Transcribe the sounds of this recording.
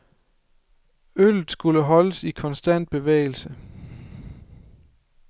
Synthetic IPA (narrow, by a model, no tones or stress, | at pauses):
ølð̩ˠsɡ̥uləɦɒ̽ləsikʰɒ̽nsd̥æn̰d̥̚b̥e̝ʋḛɪl̩sə